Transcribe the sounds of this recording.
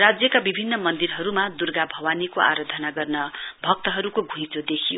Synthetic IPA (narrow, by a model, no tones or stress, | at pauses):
rad͡zjʌkabibʱinːʌmʌnd̪irɦʌɾumad̪urɡabʱʌwanikoa̰ɾʌd̪ʱʌnaɡʌrnʌbʱʌk̚t̪ʌɦʌɾukoɡʱũjt͡sod̪ekʰijo